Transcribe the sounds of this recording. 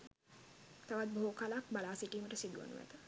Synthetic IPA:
t̪aʋat̪̚bookalak̚balaːsiʈiːməʈəsid̪uʋə̰nṵʋæ̰t̪ə

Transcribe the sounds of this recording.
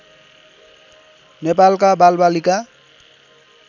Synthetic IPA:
nepalkabalbalika

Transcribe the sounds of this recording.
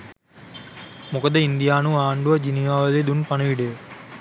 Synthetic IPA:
mukɐd̪ɐind̪ijaːnuaːɳɖuʋɐd͡ʒiniʋaːʋɐled̪unpɐnɐʋiɽe

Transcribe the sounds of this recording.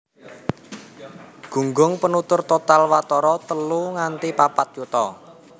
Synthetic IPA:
ɡ̥ṳŋɡʊŋpənut̪ʊrt̪ot̪alwat̪ɔɾɔt̪əluŋant̪ipapat̪̚jut̪ɔ

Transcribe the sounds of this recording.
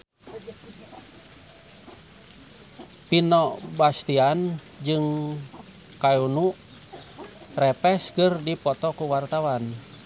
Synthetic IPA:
pinɔbast̪ian | d͡ʒɨŋ | kajunu | rɛpɛskɨrdipɔt̪ɔkuwart̪awan

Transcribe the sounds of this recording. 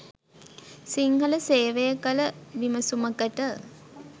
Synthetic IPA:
siŋɡələseːʋejəkələʋiməsuməkəʈə

